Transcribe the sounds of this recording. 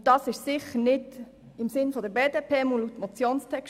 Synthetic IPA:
d̥ɑːsɪʃsɪχənɪd | ɪmsɪnfodəbeːdeːpʰeːmulutmot͡sjoːnstʰɛkʃ

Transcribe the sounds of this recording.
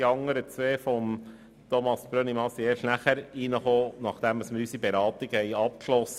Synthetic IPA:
iɑŋːəɾət͡sʋeːfɔm | t̪ɔmɑsb̥ɾønimɑsieːɾʃnæχæɾinəχoːnɑχd̪̥æməsməɾysibeɾɑːt̪iɡ̥əhɛɪɑp̚kʃlɔs

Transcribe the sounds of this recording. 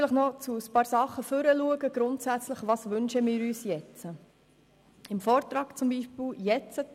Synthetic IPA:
ləχnɔt͡suəspɑːɾsɑχːəfʏɾəluəɡəɡ̥ɾʊntsæt͡sləχʋɑːsʋʏnʃəmɪːɾyːsjɛt͡sə | ɪmfɔːɾt̪ɾɑːkt͡sʊmbiːʃpɪljɛt͡sə

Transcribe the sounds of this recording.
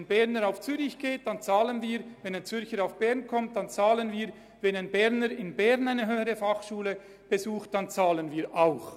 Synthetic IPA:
nbɛʁnəɾaʊft͡syːɾɪçɡ̥eːt̚d̥ɑnt͡sɑːlənviːɾvɛnaɪnt͡sʏɾçəɾaʊfb̥ɛʁnkʰɔmt̚d̥ɑnt͡sɑːlənviːɾ | vɛnaɪnbɛʁnəɾɪnbɛʁnaɪnəɦøːəʁəfɑχʃuːlə | b̥ezuːxt̚d̥ɑnt͡sɑːlənviːɾaʊx

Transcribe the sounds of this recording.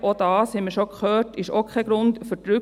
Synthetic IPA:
ʔod̥ɑːshɛməʃokχøːɾtɪʃoːkʰɛɡ̥ɾʊntfyɾdɾʏ

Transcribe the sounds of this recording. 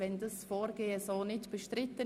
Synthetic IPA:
ʋɛndɑsfoːɾɡeːəsoːnɪtb̥əʃtɾɪt̪ːən

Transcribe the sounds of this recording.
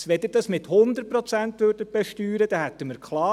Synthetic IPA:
sʋɛd̪əd̥ɑsmɪt̪hʊnd̪əɾ̚pɾɔt͡sænt̪ʋøːɾdəb̥ɛʃtyːɾəd̪̥ɑhæt̪ːəməɾkʰχlɑː

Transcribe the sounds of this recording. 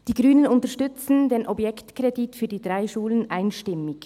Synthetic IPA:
d̥iːɡʁyːnənʊntəʃtʏt͡sn̩deːnʔɔbjɛktkʁeditfyːɐdiːdʁaɪʃuːlənʔaɪnʃtɪmɪç

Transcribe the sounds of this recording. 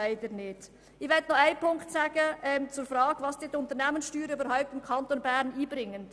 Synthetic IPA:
aɪd̥ənɪːd | ɪʋɛtnɔaɪpʰʊŋktsaːɡ̥əɛmt͡sʊɾfɾɑːɡ̥vɑsd̥iːtʊnt̪əɾnɛmənsʃtyːɾəyːbəɾhaʊp̚tɪmkʰɑntonbɛːɾniːbɾɪŋːən

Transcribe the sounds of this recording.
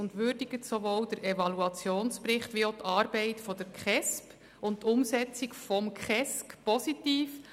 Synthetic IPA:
ʊntʋʏɾdiɡətsoʋoːwdəɾɛvɑluɑt͡sjoːnspɾɪχtʋiot̪ʰɑːɾb̥ɛɪtfɔd̥əɾkχɛsp | ʊntt̪ːʊmsɛt͡sikfɔmkχɛskpɔsit̪iːf

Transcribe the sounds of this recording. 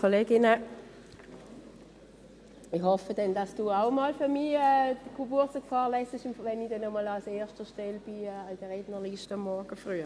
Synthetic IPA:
kʰoleːɡɪnə | iχhɔfədɛnd̥ɑsd̥uːaʊmɔlfyʁmiɛkʰubuɐsəkfɑːlɛsəʃmvɛnidɛnːɔmɔlalseːɐʃtəʃtɛlb̥ind̥əʁeːd̥nəʁliʃtəɑmːɔɐɡ̥əfʁyːə

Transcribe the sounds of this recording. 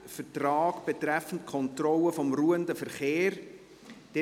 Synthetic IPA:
fətrɑːɡb̥etrɛfən̩tkʰɔntrɔləfɔmruːəndəfəɾχeːɾ | d̥ɛ

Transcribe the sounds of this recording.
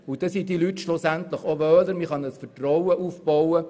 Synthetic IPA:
ʊd̥ɛsid̥̪ilyt̪ʃlosænt̪ləχoʋœːləɾmiχɑnəsfətrɔwəʔuːfb̥ɔwə

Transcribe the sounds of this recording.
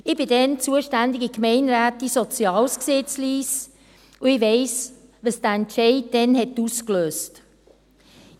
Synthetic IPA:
ɪb̥ɪdɛnt͡suəʃtændɪɡikmɛɪnɾæːtisɔt͡sjɑːlsksɪt͡sliːs | uɪʋɛɪs | ʋəsd̥əɛntʃɛɪt̚dɛnɦɛtːuskløːst

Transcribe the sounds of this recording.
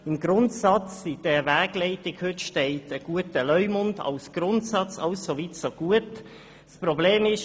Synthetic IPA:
ɪmɡɾʊntsɑt͡sɪd̥ɛvæːɡ̥lɛɪtɪkhʏtʃteɪtəɡ̥uətəlœʏmʊndɑ̰ʊsɡ̥ɾʊntsɑt͡sɑʊsːoviːtsoɡ̥uət | spɾobleːmɪʃ

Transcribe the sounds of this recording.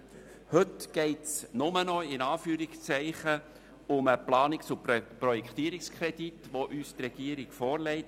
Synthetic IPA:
hɵtɡ̥ɛɪtsnʊmənɔɪnɑːfyːɾikst͡sɛɪχə | ʊməplɑːnɪksʊpprɔjɛkt̪iːəɾikskʰɾɛd̥itʋoʔyːst̪rɛɡ̥iəɾiɡfɔːɾlɛɪt

